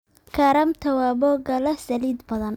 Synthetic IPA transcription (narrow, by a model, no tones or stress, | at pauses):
kʰɐɾɐmt̪ʰɐwaːbɔɡɐlɐsɐliːd̪bɐðɐn